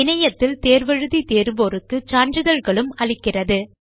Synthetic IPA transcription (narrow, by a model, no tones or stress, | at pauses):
ɪnɐjɐt̪ːɪlt̪eːɾʋɐɻɯðit̪eːɾɯboːrɯkːɯt͡ʃaːɳd͡ʒɯðɐlɣɐɭɯmɐɭɪkːɪrɐðɯ